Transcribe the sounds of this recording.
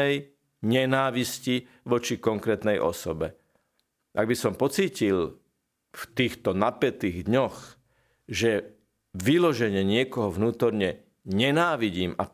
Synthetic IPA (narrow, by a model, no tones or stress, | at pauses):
ɛj | ɲɛnaːʋisci | ʋɔt͡ʃikɔŋkɾɛːt̪nɛjʔɔ̰sɔbɛ | ʔaɡ̚bisɔmpɔt͡siːcil | ft̪iːxt̪ɔnapɛt̪iːɣd̪ɲɔx | ʒɛ | ʋilɔʒɛɲɛɲɪɛkɔɦɔʋnuːt̪ɔɾɲɛ | ɲɛnaːʋiɟiːma